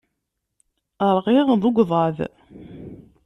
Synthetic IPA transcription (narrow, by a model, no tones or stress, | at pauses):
əɾˤʁiʁðˤʊɡʷðˤɑð